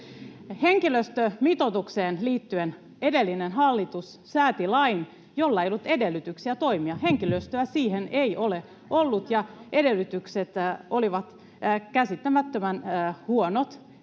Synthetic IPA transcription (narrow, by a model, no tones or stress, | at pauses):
heŋkiløst̪ømit̪ot̪ukseːnliːt̪ːyen | edelːinenɦɑlːit̪us | sæːt̪ilɑin | jolːɑejolːut̪edelːyt̪yksiæt̪o̞imiɑheŋkiløst̪øæsiːheneiole | olːut̪jɑedelːyt̪ykset̪oliʋɑt̪ː | kæsit̪ːæmæt̪ːømænːhuonot̪